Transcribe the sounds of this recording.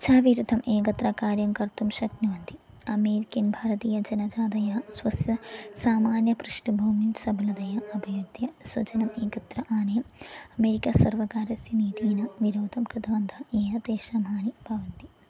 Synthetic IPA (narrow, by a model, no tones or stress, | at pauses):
t͡ʃʰaːʋiɾud̪ʱɐmʔeːkɐt̪ɾɐkaːɾjɐmkɐɾt̪umʃɐkniʋɐnt̪i | ɐmeːɾikinbʱaːɾɐt̪iːjɐd͡ʒɐnɐd͡ʒaːd̪ɐjɐsʋɐsjɐsaːmaːnjɐpɾuʂɳibʱɐwminsɐbʱɐlɐd̪ɐjɐʔɐbʱɐjud̪jɐsʋɐt͡ʃɐnɐmeːkɐt̪ɾɐʔaːnɐjɐmɐmeːɾikɐsɐɾʋɐkaːɾɐsjɐniːt̪iːnɐʋiɾoːt̪ɐmkɾɪt̪ɐʋɐnd̪ʱɐeːjɐt̪eːʃɐmaːnibʱɐʋɐnt̪i